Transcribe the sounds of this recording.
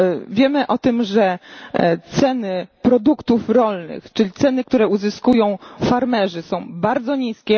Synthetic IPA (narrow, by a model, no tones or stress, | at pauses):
vʲjɛmɘʔɔt̪ɘmʐɛ | t̪sɛnɘpɾɔd̪ukt̪ufɾɔlnɘ̰xt͡ʂɘlʲit̪sɛnɘkt̪uɾɛuzɘskujɔ̃w̃faɾmɛʐɘsɔ̃w̃baɾd̪zɔɲiskʲɛ